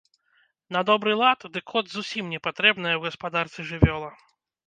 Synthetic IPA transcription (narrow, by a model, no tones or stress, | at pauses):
nɐd̪ɔbɾɨlˠat̪d̪ɨkʰːɔd̪zusʲimnʲɛpat̪ɾɛbnɐjɐwɣɐspad̪art̪sʲiʐɨvʲɔlˠɐ